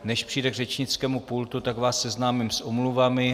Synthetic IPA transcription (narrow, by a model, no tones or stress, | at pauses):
nɛʃpr̝̥iːdɛɡrɛt͡ʃɲɪt͡skɛːmupult̪ut̪aɡvaːsːɛznaːmɪmsʔomluvamɪ